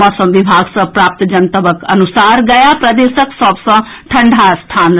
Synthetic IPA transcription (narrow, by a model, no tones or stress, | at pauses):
ɔːsɐ̃mʋibʱaːɡsɐ̃pɾaːp̚t̪d͡ʒɐnt̪ɐbəkɐ̰nusaːɾɡɐjapɾɐd̪eːsəksɔːbsɐ̃ | ʈʰɐ̃ɳɖʱast̪ʰaːn